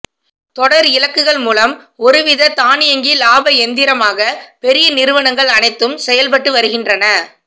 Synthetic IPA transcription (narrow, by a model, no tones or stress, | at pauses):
t̪ɔɽɐɾɪlɐkːɯɣɐɭmuːlɐmɔɾɯʋɪðɐt̪aːnɪjɐŋɡilaːbɐɛnd̪ɪɾɐmaːɣɐpɛɾɪjɐnɪɾɯʋɐɳɐŋɡɐɭɐnɐɪt̪ːɯmsɛjɐlpɐʈːɯʋɐɾɯɣɪndrɐnɐ